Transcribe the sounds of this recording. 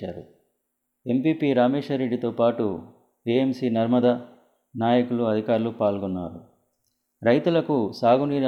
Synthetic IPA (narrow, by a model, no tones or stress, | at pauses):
aːɾṵ | e̞mpiːpiːɾaːmeːʂɐɾe̞ɖːit̪o̞ːpaːʈu | eemsiːnɐɾmɐd̪ɐ | naːjɐkuluɐd̪ʱikaːɾulupaːlɡɔnːaːɾu | ɾɐjt̪ulɐkusaːɡuniːɾ